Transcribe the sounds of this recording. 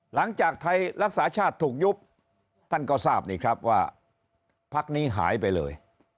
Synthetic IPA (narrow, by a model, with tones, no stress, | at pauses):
la˩˦ŋt͡ɕaː˨˩k̚t̪ʰa˧jɾa˦˥k̚saː˩˦t͡ɕʰaː˥˩t̪ʰːuː˨˩k̚ju˦˥p̚ | t̪ʰa˥˩nka˥˩wsaː˥˩p̚niː˥˩kʰɾa˦˥p̚waː˥˩ | pʰa˦˥k̚niː˦˥ɦa̰ː˩˦jpa˧jlɤː˧j